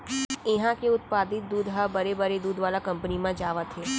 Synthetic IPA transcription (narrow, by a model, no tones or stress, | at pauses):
ɪɦãkeʊt̪̚paːd̪ɪt̪̚d̪uːd̪ɦəbɐɾebɐɾed̪uːd̪ʋaːlakɐ̃mpənimãd͡ʒaːʋat̪ʰeː